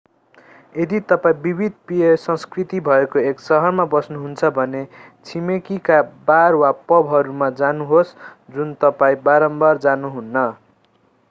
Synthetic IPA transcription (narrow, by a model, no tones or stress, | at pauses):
ed̪it̪ʌpaĩbibʱid̪̚ʱpiesʌ̃skrit̪ibʱʌekoeksʌɦʌrmabʌsnuɦunt͡sʰʌbʱʌne | t͡sʰimekikabarwapʌbʱɦʌɾumad͡zanuɦosd͡zunt̪ʌpaĩbaɾʌmbʌrd͡zanuɦunːʌ